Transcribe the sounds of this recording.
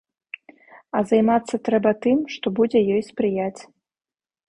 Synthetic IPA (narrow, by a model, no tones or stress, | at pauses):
ɐzɐjmat̪sːɐt̪ɾɛbɐt̪ɨmʂt̪ɔbud͡zʲɛjɔjspɾɨjat͡sʲ